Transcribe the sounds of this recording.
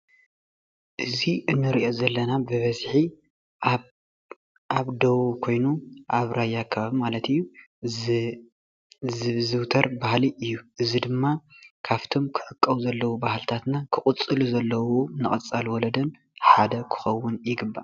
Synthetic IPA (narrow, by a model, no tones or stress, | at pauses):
ʔɨziʔɨnːɨɾiʔo̞zɐlːɐnabɨβɐzħi | aβd̪ɐwukʰo̞jnuʔaβɾajːakʰːaβaβimalɐt̪ɨjːu | zɨzɨwt̪ʰɐɾbahliʔɨjːuʔɨzid̪ɨmːakʰaβt̪ʰo̞mkʰɨʕɨkʼːɐwzɐlːɐwubahlt̪ʰat̪nakʰɨχʼʊt͡sʼːɨluzɐlːɐwonɨχʼɐt͡sʼːalwɔlɐd̪ɐn | ħad̪ɐkʰɨ̥xɐwːʊnjɪɡɨbːa